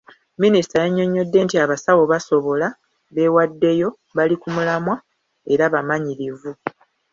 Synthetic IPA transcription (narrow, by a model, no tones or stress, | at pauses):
ministajeɲːo̞ɲːo̞dːe̞ntiaβasawo̞βaso̞βo̞la | βe̞wadːe̞jo̞ | βalikumulamwa | e̞ɾaβamaɲiɾivu